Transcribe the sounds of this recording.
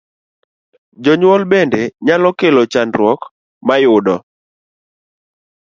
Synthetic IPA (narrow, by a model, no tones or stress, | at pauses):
d͡ʒɔɲwɔlbɛndɛɲalɔkelɔt͡ʃandɾwɔk | majʊdɔ